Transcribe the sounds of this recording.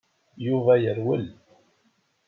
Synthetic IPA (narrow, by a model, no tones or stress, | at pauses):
juvæjəɾwəl